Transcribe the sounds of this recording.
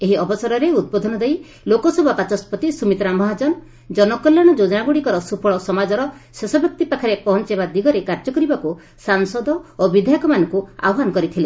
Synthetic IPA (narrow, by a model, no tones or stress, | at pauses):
eɦiɔbɔsɔɾɔɾeud̪̚bɔd̪ʱɔnɔd̪ej | lokɔsɔbʱɔpat͡ʃɔspɔt̪isumit̪ɾamɔɦad͡ʒɔn | d͡ʒɔnɔkɔljaɽ̃ɔd͡ʒod͡ʒɔnaɡuɽikɔɾɔsupʰɔɭɔsɔmad͡ʒɔɾɔsesɔbjɔk̚t̪ipakʰaɾepɔɦɔnt͡ʃebad̪iɡɔɾekaɾd͡ʒɔkɔɾibaku | saŋsɔd̪ɔobid̪ʱajɔkɔmanɔŋkua̰wɦanɔkɔɾit̪ʰile